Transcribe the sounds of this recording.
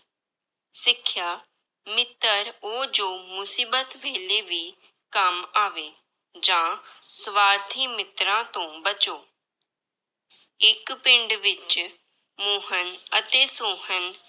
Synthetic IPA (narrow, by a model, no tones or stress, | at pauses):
sɪkʰːjaː | mɪt̪ːəɾoːd͡ʒoːmʊsiːbət̪ʋeːleːʋiː | kəmaːʋeː | d͡ʒãːsʋaːɾt̪ʰiːmɪt̪ɾãːt̪õːbət͡ʃoː | ɪkpɪ̃ɳɖʋɪt͡ʃ | moːɦənət̪eːsoːɦən